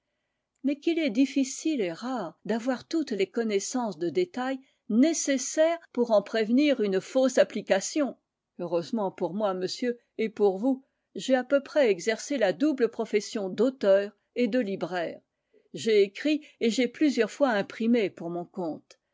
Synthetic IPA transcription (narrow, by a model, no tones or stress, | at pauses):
mɛkilɛd̪ifisileʁaʁd̪avwaʁt̪ut̪lekɔnɛsɑ̃sd̪əd̪et̪aj | nesesɛʁpuʁɑ̃pχevniʁynfosaplikasjɔ̃ | øʁøzmɑ̃puʁmwaməsjø | epuʁvu | ʒɛapøpχɛɛɡzɛʁselad̪ubləpχɔfɛsjɔ̃d̪ot̪œʁ | ed̪əlibʁɛːʁ | ʒeekχieʒɛplyzjœʁfwaɛ̃pχimepuʁmɔ̃kɔ̃t̪